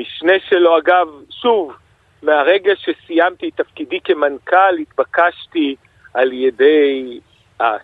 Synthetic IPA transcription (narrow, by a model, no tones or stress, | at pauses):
miʃneʃelo̞aɡavʃuv | meaʁe̞ɡaʃesijamt̪it̪afkidikemankalhit̪bakaʃti | ʔaljedej | ʔa